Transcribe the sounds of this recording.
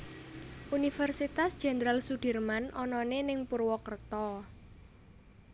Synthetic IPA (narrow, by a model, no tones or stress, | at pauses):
ʔunifɛrsit̪asd̥ʒ̥ɛ̤ndɾalsuɖ̥ə̤rmanʔɔnɔnenɪŋpurwɔkərt̪ɔ